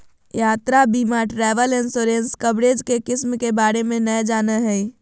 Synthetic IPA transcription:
jaːt̪ɾabimaʈɾɛːʋəlɪnsoɾenskəbɾed͡ʒkekɪsmkebaːɾemẽnəjd͡ʒaːnəɦɛi

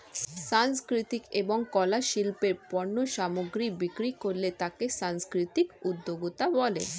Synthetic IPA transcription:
ʃanskɾit̪ikeboŋkɔlaʃilpeɾpɔɾnoʃamoɡɾibikɾikoɾlet̪akeʃanskɾit̪ikud̪ːoɡut̪abɔlḛ

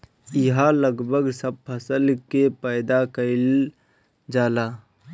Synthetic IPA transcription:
ɪɦaləɡbʱəɡsəb̚pʰəsəlkepəɪd̪akəɪl | d͡ʒaːlaː

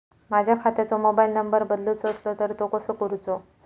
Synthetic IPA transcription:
mad͡ʑʱjakʰat̪at͡somobailnəmbəɾbəd̪lot͡sːslot̪əɾt̪okəsəkəɾut͡so

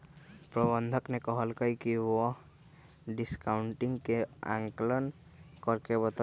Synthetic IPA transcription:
pɾɔbɔnd̪ʱɔknɛkɔɦɔlkɔjkiɔ | ɖiskawɳʈiŋkea̰ŋklɔn | kɔɾkebɔt̪

